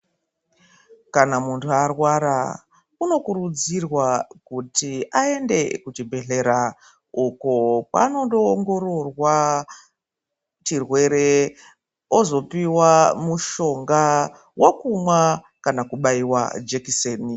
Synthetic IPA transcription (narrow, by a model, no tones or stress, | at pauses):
kanamuntʰuarwaɾa | uno̞kuɾud͡zirwakutiae̞nde̞kut͡ʃibʱe̞ɮe̞ɾa | ukopa̰no̞doŋɡo̞ɾo̞rwa | t͡ʃirwe̞ɾe̞ | ozo̞piwamuʃo̞ŋɡa | wʔokumwa | kanakuɓaiwa̰d͡ʒekiseːni